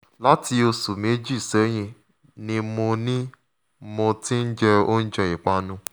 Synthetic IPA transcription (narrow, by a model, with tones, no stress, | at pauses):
la˦ti˧o˧su˨me˨˦d͡ʒi˦i˦˨sɛ˨˦j̃ĩ˧ | nĩ˧mõ˧nĩ˦ | mõ˧tĩ˦n̩˦d͡ʒɛ˧o˦n̩˦d͡ʒɛ˧i˨k͡pa˧nũ˦